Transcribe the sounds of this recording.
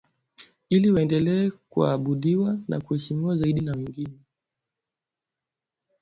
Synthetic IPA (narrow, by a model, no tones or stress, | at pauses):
iliwaɛndɛlɛɛkua̰ɓuɗiwana̰kuhɛʃimiwazaiɗinawɛŋɡinɛ